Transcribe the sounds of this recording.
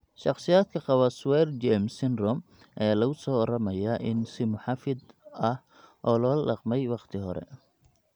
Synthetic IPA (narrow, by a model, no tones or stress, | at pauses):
ʃɑχsɪjaːd̪̚kʰɐqɑβɐswɛrd͡ʒɛmsɪnrɔm | ʔɛːlɐɣʊsɔːɔɾɐmɐjaːʔɪnsɪmʊħɑfɪd̪ | ɐh | ʔɔːlɔːlɑqmɛjwɑqt̪ʰɪɦɔɾɛ̰